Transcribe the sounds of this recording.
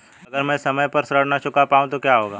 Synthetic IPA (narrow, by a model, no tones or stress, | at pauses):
ɐɡəɾmɛ̃ːsɐməjpɐɾsɾəɽ̤nat͡ʃʊkapaːũt̪okjaːɦoːɡaː